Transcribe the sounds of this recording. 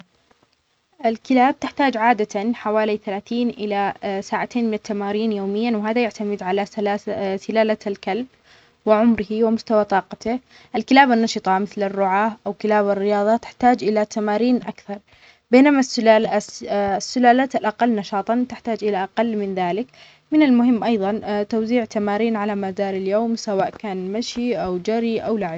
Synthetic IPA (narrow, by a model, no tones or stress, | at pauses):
ʔɪlkɪlaːb̚t̪ɪħt̪aːd͡ʒʕaːd̪at̪anħawaːliθalaːθiːnʔɪlasaːʕat̪ʰeːnmɪnɪt̪ːamaːɾiːnjoːmɪjːanwɦaːðajaʕt̪amɪd̪ʕalalasɪlaːlalkalb̚ | wɪʕʊmɾɪhiwɪmʊst̪awat̪ˤɑːqɑt̪ɪ | ʔɪlkɪlaːbanːɑʃɨt̪ˤɑmɪθlɪrːʊʕaːʔawkɪlaːbarːɪjɑːðˤɑt̪ɪ̥ħt̪aːd͡ʒʔɪlat̪amaːɾiːnʔakθɑɾˤ | beːnamas | sːʊlaːlaːt̪alʔaqalːnɑʃɑːt̪ˤɑnt̪ɪħt̪aːd͡ʒʔɪlaʔaqalːmɪnðaːlɪk | mɪnalmʊɦɪmːʔɑjðˤɑnt̪awziːʕt̪amaːɾiːnʕalamazaːɾɪljoːmsawaːʔkaːnmaʃiʔawd͡ʒaɾiʔawlaʕɪb